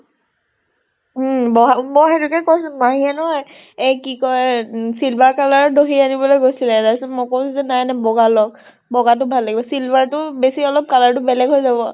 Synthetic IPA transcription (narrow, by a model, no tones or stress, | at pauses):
bɔɦamɔxetukɛkɔsʊmaɦiɛnɔɦɔj | ejkikɔɹɛsilbaɹkalaɹdoɦianibɔlojɡojsilɛdasɛmɔkɔwsizɛnajnɛbɔɡalɔk̚ | bɔɡat̬ʊbʱalːaɡibɔsilbaɹtʊbesiɔlɔp̚kalaɹtʊbɛlɛɡɦojzabɔ